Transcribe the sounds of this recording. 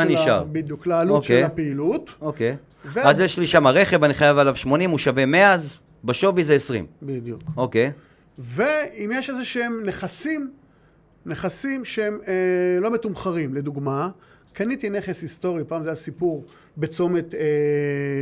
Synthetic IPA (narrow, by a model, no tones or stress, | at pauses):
niʃa̰ʁbid̪juklaːluoʃeapeilutokej | veazjeʃliʃamaʁeχevaniχajavalavʃmo̞nimuʃavemeaz | baʃo̞vizeesʁḭmbid̪jukokej | veimjeʃezeʃeemneχasim | neχasimʃeemlo̞metumχaʁimle̞d̪uɡma | kanit̪ineχesist̪o̞ʁipaːmzajasipuʁ | bet͡so̞met̪e